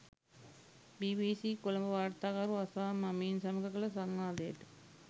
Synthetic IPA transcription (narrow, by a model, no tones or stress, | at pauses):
biʋisikulɐmbɐʋaːrt̪aːɣɐɾuɐsaːmɐmiːnsɐmɐkɐkɐɭɐsɐŋːaːd̪eːʈ